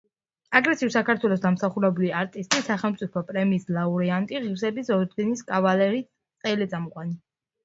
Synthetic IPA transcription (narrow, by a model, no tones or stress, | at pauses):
aɡɾɛsiusakʰaɾt̪ʰwɛlˠɔs̬d̪amsaχuɾɛbuliaɾt̪ʼist̪ʼisaχɛlˠmt̪sʼipʰɔpʼɾɛmiːslˠauɾɛant̪ʼiʁivsɛbisɔɾd̪ɡɛniskʼavalɛɾi | sʼɛlit̪sʼamɔqʼwani